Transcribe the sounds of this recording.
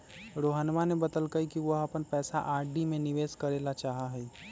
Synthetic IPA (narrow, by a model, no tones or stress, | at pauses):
ɾoːɦənmanebəd̪əlkəikiʋoɦɐpənpɛːsa̰ʔaːɾɖimẽnɪʋeːskəɾeːlat͡ʃaːɦaɦɛi